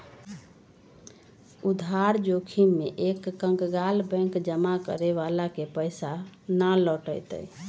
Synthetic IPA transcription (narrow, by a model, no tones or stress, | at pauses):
ud̪ʱaɾd͡ʒokʰimeʔekːə̃ŋɡɡalbɛ̃ŋkd͡ʒəmakə̰ɾeʋalakepəjsanalɔʈə̰jt̪ə̰j